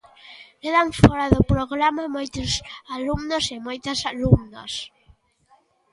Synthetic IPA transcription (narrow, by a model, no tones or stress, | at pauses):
keðaɱfɔɾaðʊpɾoɣɾamamojt̪ʊsalumnosɪmojt̪ɐsalumna̰s